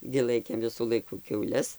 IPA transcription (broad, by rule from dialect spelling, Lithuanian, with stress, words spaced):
ɡʲɪ ˈlˠɐɪkʲeːm ˈʋʲɪsuː ˈlˠɐɪkuː kʲɛʊˈlʲɛs